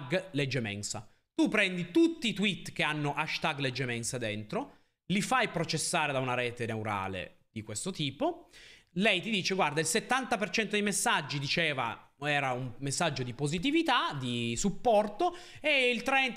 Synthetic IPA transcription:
ɡled͡ʒːemɛ̰nsa | t̪upɾɛnd̪it̪ut̪ːiːt̪wit̪ːk̟eanːoʔaʃt̪aɡled͡ʒːemɛnsad̪ɛnt̪ɾo | lifajpɾot͡ʃesːaːɾed̪aunaɾɛːt̪enewɾa̰ːlḛd̪̥ikwest̪ot̪iːpo | lɛjt̪id̪iːt͡ʃeɡward̪ailset̪ːant̪apert͡ʃɛnt̪od̪ejmesːad͡ʒːid̪it͡ʃeːva̰ | ɛːɾaumːesːad͡ʒːod̪ipozit̪̬ivit̪ad̪isupːɔrt̪o | eilt̪ɾɛn

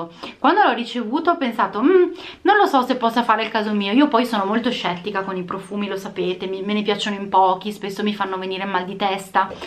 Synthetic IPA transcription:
kwand̪olɔrːit͡ʃevuːt̪oɔpːensaːt̪om̩nonlosɔsepːɔsːafaːɾeilkaːzomiːoiːopɔjsoːnomolt̪oʃɛt̪ːikakonipɾofuːmilosapeːt̪emimenepjat͡ʃːonoimpɔːk̟ispesːomifanːoveniːɾemald̪it̪ɛst̪a

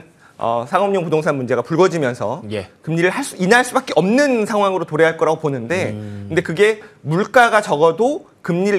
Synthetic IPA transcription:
ʌ̰sʰaŋʌmɲʌŋpodoŋs̬ʰanmund͡ʑe̞ɡapuɭɡʌd͡ʑimjʌnsʰʌjekɯmɲiɾɯɭhaɭs͈uinaɭs͈ubak͈eʌmnɯnsʰaŋɦwaŋɯɾotoɾeɦaɭk͈ʌɾaɡoponɯnde̞kɯnde̞kɯɡe̞muɭk͈aɡat͡ɕʌɡʌdo | kɯmɲiɾɯ

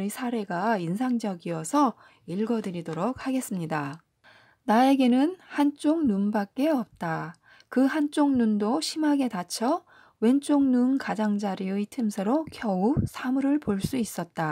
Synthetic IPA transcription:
ɾisʰaɾe̞ɡainsʰaŋd͡ʑʌɡiʌsʰʌ | iɭɡʌdɯɾidoɾok̚haɡe̞s͈ɯmɲida | nae̞ɡe̞nɯnhant͡ɕ͈oŋnunbak̚k͈e̞ʌp̚t͈a | kɯɦant͡ɕ͈oŋnundoɕʰimaɡe̞tat͡ɕʰʌ | we̞nt͡ɕ͈oŋnunkad͡ʑaŋd͡ʑaɾiɯitʰɯmsʰeɾokʰjʌup̚sʰamuɾɯɭpoɭs͈uis͈ʌt̚t͈a

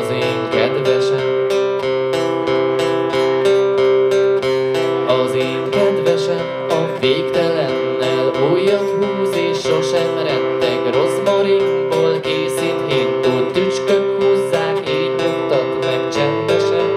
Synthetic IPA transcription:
zeːŋkɛd̪vɛʃɛn | ɒzeːŋkɛd̪vɛʃɛn | ɒ | veːpt̪ɛlɛnːɛlojːɒt̪ɦuːzeːʃːo̞ʃɛmɾɛt̪ːɛɡro̞smɒɾiboːlkeːsinɦeːnboːt̪yt͡ʃkøkhuːzːaːkeːbunt̪ɒt̪mɛk̚t͡ʃɛnd̪ɛʃɛn

